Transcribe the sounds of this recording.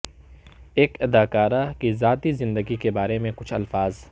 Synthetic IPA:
eːkɪd̪aːkaːɾakizaːt̪izɪ̃nd̪əɡikebaːɾemẽkʊt͡ʃʰɐlfaːz

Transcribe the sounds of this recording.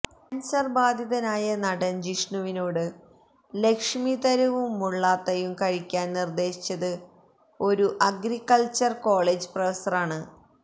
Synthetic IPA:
ɐnsɐrbaːd̪ʱjiðɐnaːjɐnɐɽɐnd͡ʑiʂɳuʋinoːɽɨ | le̞kʂmiðɐɾɐʋumːuɭːaːt̪ːɐjumkɐɻikʲːaːnnird̪e̞ːsi̥t͡ɕːɐðɨ | o̞ɾuʔɐɡɾikːɐɭt͡ɕɐrko̞ːɭeːd͡ʑɨprɐʋɐsɐraːɳɨ

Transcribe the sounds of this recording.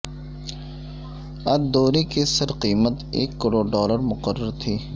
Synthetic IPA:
ɐd̪oːɾikisɐɾqiːmət̪ḛːkːəɾoːɖɔːləɾmʊqəɾːəɾt̪ʰiː

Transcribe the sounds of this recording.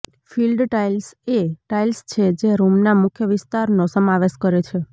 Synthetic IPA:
filɖʈailseʈailst͡ʃʰed͡ʒeɾumnamʊkʰjəʋɪst̪aɾnosəmaʋeʃkəɾet͡ʃʰe

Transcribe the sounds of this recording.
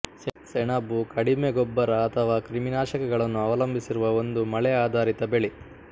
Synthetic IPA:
ssɛɳaːbːukɐɽimeɡɔbːɐɾɐːt̪ʰɐʋaːkɾiminaːʃɐkɐɡɐɭɐnːuɐʋɐlɐmbʱisiɾuʋɐo̞nd̪umɐɭɛaːd̪ʱaːɾit̪ɐbeɭi

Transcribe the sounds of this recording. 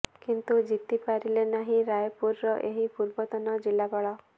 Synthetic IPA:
kint̪ud͡ʒit̪ipaɾilenaɦĩɾajɔpuɾːɔʔeɦipuɾbɔt̪ɔnɔd͡ʒilːabɔɭɔ

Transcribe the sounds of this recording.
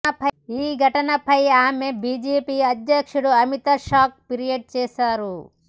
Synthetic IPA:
ɐpɐiːɡʱɐʈɐnɐpɐjaːme̞biːd͡ʒeːpiːɐd̪jɐkʂuɽuɐmit̪ɐʃaːk̚piɾijɐɖ̚t͡ʃɛːʃaːɾu

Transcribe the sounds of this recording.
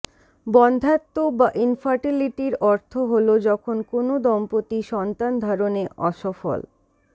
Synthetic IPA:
bɔnd̪ʱat̪ːobaʔinfaɾʈiliʈiɾɔɾt̪ʰoɦolod͡ʑɔkʰonkonod̪ɔmpot̪iʃɔnt̪and̪ʱaɾoneʔɔ̰ʃɔfo̰l

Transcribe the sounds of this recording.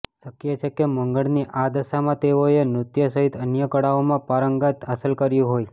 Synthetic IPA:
ʃəkjet͡ʃʰekeməŋɡəɽniʔad̪əʃamãt̪eoenɾʊt̪jəsəɦit̪ənjəkəɽaomãpaɾəŋɡat̪əsəlkəɾjũɦoj

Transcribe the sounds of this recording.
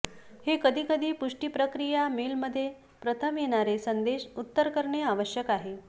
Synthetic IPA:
hekəd̪ʱiːkəd̪ʱiːpuʂʈiːpɾəkɾijamelməd̪ʱːje | pɾət̪ʰəmjeɽ̃aɾesənd̪eɕut̪ːəɾkəɾɳeaʋəɕjəkaɦe

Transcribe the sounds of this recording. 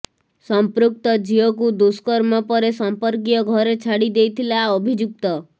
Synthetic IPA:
sɔmpɾuk̚t̪ɔd͡ʒiɔkud̪uskɔɾmɔpɔɾesɔmpɔɾk̬ijɔɡʱɔɾet͡ʃʰaɽid̪ejt̪ʰilaɔbʱid͡ʒuk̚t̪ɔ

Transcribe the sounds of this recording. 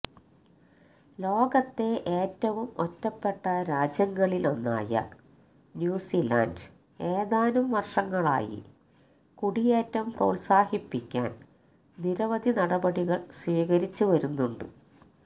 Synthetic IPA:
lo̞ːɡɐt̪ːe̞ʔeːtːɐʋumotːɐpːe̞ʈːɐɾaːd͡ʑjɐŋɡɐɭilo̞nːa̰ːjɐ̰ | njuːsila̰ːnd | e̞ːðaːnumʋɐrʂɐŋːɐɭa̰ːjḭ | kuɽijeːtːɐumpro̰ːlsaːhipːikʲːa̰ːn | niɾɐʋɐd̪ʱinɐɽɐbɐɽiɣɐɭsʋiːɣɐɾit͡ɕːuʋɐɾunːuɳɖɨ̰

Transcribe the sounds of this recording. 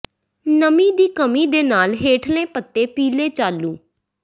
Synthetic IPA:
nəmĩːd̪iːkəmiːd̪eːnaːlɦeːʈʰlẽːpət̪ːeːpiːleːt͡ʃaːlːũː

